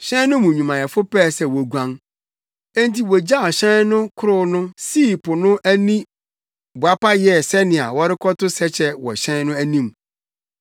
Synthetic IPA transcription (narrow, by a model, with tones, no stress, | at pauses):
ɕɛ̃˦nʊ̃˦mũ˨ɲũ˨mã˨jɛ˨fʊ˦pɛː˦˨sɛ˦wɔ˨ɡʷã˦ŋ | e˦n˦ti˨wɔ˨d͡ʑa˦˨ɕɛ̃˦nnʊ̃˦kʰʊ˦ɾʊ˦nʊ̃˦siː˦˨pʊ˨nʊ̃˦ʔæ˦nĩ˦ | ba˦pa˦jɛ˦˨sɛ˦nɪ̃˨a̰˨wɔ˦ɾɪ˦kʰɔ˦tʊ˦sɛ˦t͡ɕʰɛ˦wɔ̰˨ɕɛ̃˦nʊ̃˦æ˦nĩ˦˨m